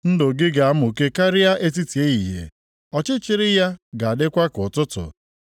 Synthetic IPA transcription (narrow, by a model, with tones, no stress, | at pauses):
n̩˦dʊ˨ɡɪ˦ɡa˨a˦mʊ˨ke˦ka˦ɾɪ˦ja˦ʔe˦t̬i˦ti˨e˦i˨ɦḛ˨ | ɔ˨t͡ʃɪ˦t͡ʃɪ˦ɾɪ˦ja˦ɡa˨a˨dɪ˦kʷa˦kʊ˨tʊ˦tʊ̰˨